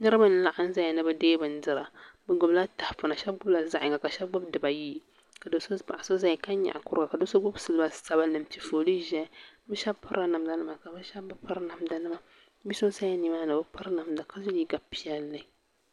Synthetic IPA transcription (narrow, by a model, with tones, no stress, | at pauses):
nɨ˦ɾɨ˦ba˦n˦la˨ʔa˦n˦za˦ja˨nɨ˦bɛ˦deː˦bɨ˨n̩˦dɨ˨ɾa˨bɨ˦ɡʊ˨bla˦ta˨hfʊ˨na˨ʃɛ˦bɡʊ˦bla˨za˦ʔɪ˨ŋɡa˨ka˨ʃɛ˦b̚ɡ͡bʊ˦bdɨ˨ba˨jiː˦˨ | ka˨do˨˦so˦pa̰˨ʔa˨so˦za˦jka˦ɲa̰˨ʔa˨kʊ˦ɾka˨ka˨do˦so˦ɡ͡bʊ˦bsɨ˦lba˨˦sa˨ba˦nɨ˨m˨t͡ʃi˨foː˨li˦ʒɛ˦bɨ˦ʃa˦bpʊ˦ɾa˨na˨mda˦nɨ˦ma˨ka˨bɨ˦ʃa˦bɨ˦pa˦ɾna˨mda˦nɨ˦ma˨˦ | bi˦so˦sa˦ja˦ni˨maː˦nɨ˨bɨ˦pa˦ɾna˨mda˨ka˦so˦ji˦ɡa˨pi˦ɛ˦lːɨ˨